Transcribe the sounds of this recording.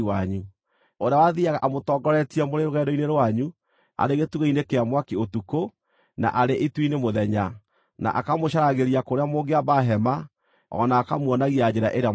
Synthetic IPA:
waɲu | oɾejawaðiaɣaʔamotɔːɡɔɾɛtiɛmoɾeɾoɣɛːdɔineɾwaɲu | a̰ɾeɣetuɣainekeamwakiotuko | na̰ʔaɾeʔitwinemoðɛɲa | na̰ʔa̰kamoɕaɾaɣeɾiakoɾeamoːŋɡeaβaɦɛma | ɔ̰naːkamwɔnaɣiad͡ʑeɾaʔeɾa

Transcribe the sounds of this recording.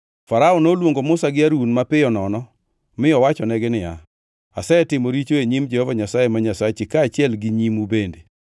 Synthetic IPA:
faɾaɔnolwoŋɡomʊsaɡɪaɾunmapɪjɔnɔnɔ | mɪɔwat͡ʃɔnɛɡɪnɪja̰ | asɛɛtɪmoɾit͡ʃoeɲimd͡ʒɛhɔvaɲasajemaɲasat͡ʃɪkaːt͡ʃɪɛlɡɪɲimubende

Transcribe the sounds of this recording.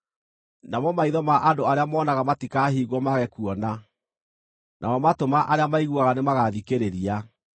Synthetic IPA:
namɔmaiðɔmaʔandoaɾeamɔːnaɣamatikaɦiːɣwɔmaɣɛkuɔna | nʔa̰mɔmatomaʔaɾeamaiɣwaɣanemaɣaðikeɾeɾia

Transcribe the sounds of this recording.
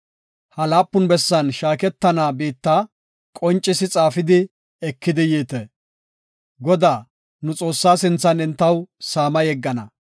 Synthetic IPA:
hɐlaːpːʊnbɛsːɐnʃaːkɛt̪ːɐnaːbiːt̪ːaː | kʼɔnt͡ʃʼːɪsɪt͡sʼaːfɪd̪ɪ | ɛkːɪd̪ɪjeːt̪e | ɡɔd̪aː | nʊt͡sʼo̞ːsːaːsɪnt͡sːɐnɪnt̪ːɐwsaːmɐjɛɡːɐnɐ̰

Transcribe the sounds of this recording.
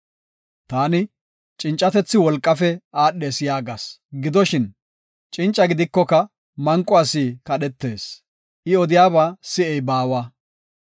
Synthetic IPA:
t̪aːnɪ | t͡ʃʼɪnt͡ʃʼːɐt̪ɛt͡sːɪwɔlkʼːɐfɛaːɗːe̞ːsjaːɡasɡɪd̪ɔʃɪn | t͡ʃʼɪnt͡ʃʼːɐɡɪd̪ɪkːɔkɐ | mɐŋkʼːɔasiːkɐɗɛt̪ːe̞ːs | ʔɪɔd̪ɪjaːbaːsɪɛjbaːwaː

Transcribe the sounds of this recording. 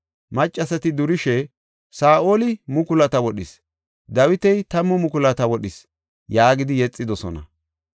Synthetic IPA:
mɐt͡ʃʼːɐsɐt̪ɪd̪ʊɾɪʃɛ | saːʔo̞ːlɪmʊkʊlɐt̪ɐwɔɗɪs | d̪ɐwɪt̪ɛjt̪ɐmːʊmʊkʊlɐt̪ɐwɔɗɪs | jaːɡɪd̪ɪjɛt͡sʼːɪd̪ɔsɔ̰nɐ̰

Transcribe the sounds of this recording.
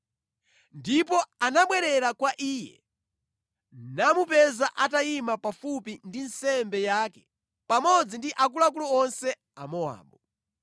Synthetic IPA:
ndip̬ɔanaɓwɛɾɛɾakwaʔiːjɛ̰ | namupɛzaʔatajimapafupindinsɛmbɛjaːkɛ̥ | pamɔd͡zindiʔak̬ulak̬ulɔɔnsɛ | a̰mɔa̰ːɓɔ

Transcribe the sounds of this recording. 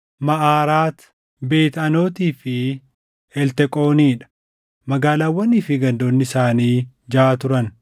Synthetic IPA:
mɐʔaːɾaːt̪ | be̞ːt̪ɐno̞ːt̪iːfɪ | ɛlt̪ɛkʼo̞ːniːᶑɐ̥ | mɐɡaːlaːwːɐniːfɪɡɐnd̪o̞ːnːɪɪsaːniː | d͡ʒaːt̪ʊɾɐn

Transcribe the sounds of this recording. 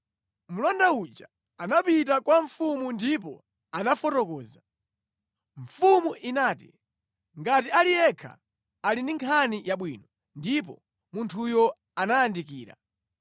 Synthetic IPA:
mulɔndaut͡ʃa | anapitakwaɱfumundip̬ɔ̰ | anafɔtɔkɔːza | ɱ̩fumuʔinaːtḭ | ŋɡatialijɛkʰa̰ː | lindiŋkʰanijaɓwiːnɔ | ndip̬ɔ | muntʰujɔ | anaːndikiːɾa̰

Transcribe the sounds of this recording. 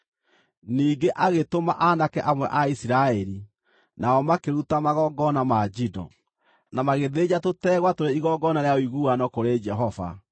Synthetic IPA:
niːŋɡeʔaɣetomaʔanakɛʔamwɛʔaisiɾaɛɾi | naɔmakeɾutamaɣɔɡɔnamad͡ʒidɔ̰ | namaɣeðed͡ʑatotɛːɣwatoɾeiɣɔɡɔnaɾeaoiɣuanɔkoɾed͡ʒɛɦɔva̰

